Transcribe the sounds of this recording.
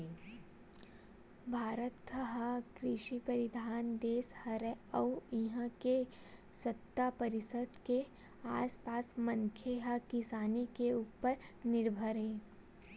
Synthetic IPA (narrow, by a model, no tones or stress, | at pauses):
bʱaːɾət̪ːəɦakɾɪʃipəɾɪd̪ʱaːnd̪eːshɐɾɛɐwiɦãke | sɐt̪ːapɐɾɪsəd̪ke | aːspaːsmɐ̃ŋkʰeɦakɪsaːnikeuːpəɾnɪɾbʱəɾɦeː